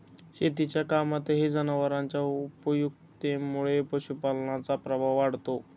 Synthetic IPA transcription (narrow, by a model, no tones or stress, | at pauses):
ɕet̪it͡ɕjakamat̪ɦed͡zənaʋəɾãɲt͡ɕjaupəjuɡ̚ | t̪emuɭepəɕupalɳat͡sapɾəbʱaʋʋaɽt̪o